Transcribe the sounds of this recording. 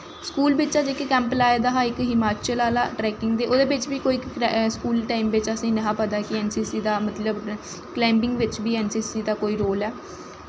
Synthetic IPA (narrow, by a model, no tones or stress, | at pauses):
skuːlbɪt͡ʃaːd͡ʒekekɛ̃ːmplaːed̪aːɦaːɪkɦɪmaːt͡ʃiəlaːla̰ːʈɾɛːkɪŋɡd̪eːʔoːd̪eːbɪt͡ʃbiːkoːiːskuːlʈaːimʋɪt͡ʃəsĩːnəɦãːpət̪aːkɪɛːnsiːsiːd̪aːmət̪ləb | klɛ̃ːmbɪŋɡʋɪt͡ʃbiːɛːnsiːsiːd̪aːkoːiːɾoːlɛː